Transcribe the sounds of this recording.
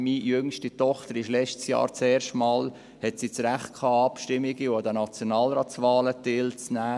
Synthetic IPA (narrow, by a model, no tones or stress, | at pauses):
mijʏŋʃtitɔχt̪əɾɪʃlɛt͡ʃtsjɑ̰ːɾt͡sɛːɾʃtmɑːl | hɛtsit͡sɾæχt̚kʰɑːɑpʃtɪmiɡiod̪ənɑt͡sjonɑːlɾɑːt͡sʋɑːlətɪlt͡snæː